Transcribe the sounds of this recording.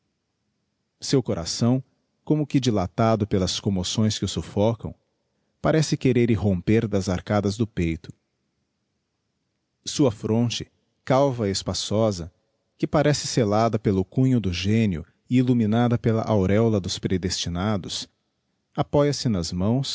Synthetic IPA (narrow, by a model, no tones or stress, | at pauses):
sewkoɾʔa̰sɐ̃w̃ | kõmʊkɪd͡ʒilat̪ad̪ʊpelɐskõmosõj̃skɪʊsofɔkɐ̰̃w̃ | paɾɛsɪkeɾeɾɪɦõpeɾd̪ɐzaɾkad̪ɐzd̪ʊpejt̪ʊ̥ | suɐfɾõnt͡ʃɪ̥ | kawvɐespasɔzɐ | kɪpaɾɛsɪ̥selad̪ɐpelʊkũɲʊd̪ʊʒẽniʊ̰ | ɪiluminad̪ɐpelɐ̰ʔawɾɛwlɐd̪ʊspɾed̪est͡ʃinad̪ʊs | apɔjɐsɪnɐzmɐ̃w̃s